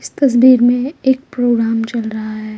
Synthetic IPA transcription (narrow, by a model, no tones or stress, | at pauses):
ɪst̪ɐs̬biːɾmẽeːk̚pɾoːɡɾaːmt͡ʃɐlɾɐɦaɦɛː